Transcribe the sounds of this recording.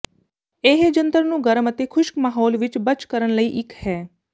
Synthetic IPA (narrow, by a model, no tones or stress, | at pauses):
eːɦd͡ʒənt̪əɾnũːɡəɾəmət̪eːkʰʊʃkmaːɦɔːlʋɪt͡ʃbət͡ʃkəɾənləiːʔɪkhɛː